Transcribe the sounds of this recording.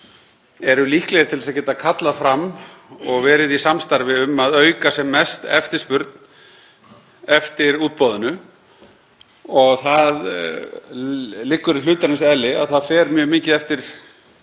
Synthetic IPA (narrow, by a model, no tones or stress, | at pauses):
ɛɾʏliːhklɛjɾt̪ʰɪlsaðcɛːt̪akʰat̪lafɾamːɔɣvɛːɾɪðisamst̪aɾvɪʏmːaðœːɥkasɛmːɛst̪ɛ̰ft̪ɪ̥spʏɾt̪n | ɛft̪ɪɾuːt̪̚pɔːðʏnʏ | ɔɣθað | lɪkːʏɾɪlʏːt̪aɾɪnsɛlːɪa̰ðθaðfɛːɾmjœːmiːcɪðɛft̪ɪɾ̥